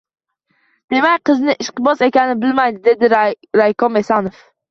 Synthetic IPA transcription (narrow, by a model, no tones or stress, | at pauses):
d̪̥e̞makʲqɨznɪʔɪʃqɨbɒsekʲanɪbɪlmajd̪ɪd̪e̞d̪ɪ | ɾajkɔmesɑnof